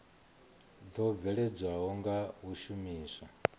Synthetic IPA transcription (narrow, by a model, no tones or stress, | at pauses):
d͡zɔb̪vɛɺɛd͡zwaɦɔŋɡauʃumiːsa